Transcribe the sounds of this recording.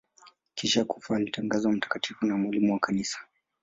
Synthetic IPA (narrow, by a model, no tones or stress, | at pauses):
kiʃakufaːlitʰaŋɡazam̩tḁkatʰifunamwalimuwakanisḁ